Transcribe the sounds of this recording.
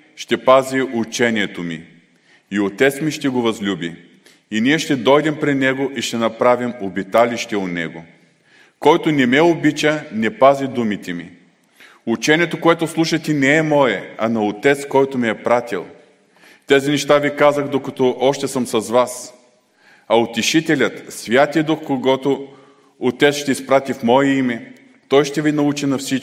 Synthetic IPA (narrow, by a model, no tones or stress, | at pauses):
ʃt̪ɛpaziʔut͡ʃɛniɛt̪omḭː | ot̪ɛt̪smiʃt̪ɛɡovɐzlʲubi | iniɛʃt̪ɛd̪ɔjd̪ɛmpɾɛnɛɡoʔiʃt̪ɛnɐpɾavimobit̪aliʃt̪ɛot̪nɛ̰ɡo | kɔjt̪onɛmɛobit͡ʃənɛpazid̪umit̪ɛmi | ut͡ʃɛnʲiɛt̪okoɛt̪oslˠuʃɐt̪ʲɛnɛɛmɔjɛɐnɐot̪ɛt̪skɔjt̪omɛɛpɾat̪ʲḭlˠ | t̪ɛzinɛʃt̪avikazəxd̪okɐt̪ɔʔɔʃt̪ɛsəmsɐzvas | ɐot̪iʃit̪ɛlʲət̪svʲjat̪ijəd̪uxkoɡɔt̪oː | t̪ɛt̪sʃt̪ɛispɾat̪ifmɔɛimɛ | t̪ɔjʃt̪ɛvinɐut͡ʃinɐfsit͡ʃ